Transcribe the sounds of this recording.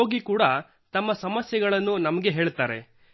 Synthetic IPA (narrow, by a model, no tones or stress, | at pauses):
oːɡikuːɽɐ | t̪ɐmːɐsɐmɐsjɐɡɐɭɐnːunɐmɐɡe̞ɦeːɭt̪aːɾe̞̰